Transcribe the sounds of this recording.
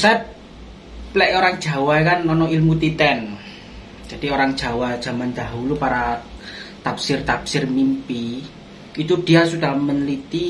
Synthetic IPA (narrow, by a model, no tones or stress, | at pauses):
saɛp | lɛʔoɾaŋd̥ʒ̥ä̤waɛkanːɔnɔilmut̪it̪ɛn | d̥d͡ʒ̥a̤d̥ioɾaŋd̥ʒ̥a̤wad̥ʒ̥a̤mand̪a̤ɦulupaɾa | t̪apsɪrt̪apsɪrmimpi | it̪ud̥i̤asukalmənlit̪i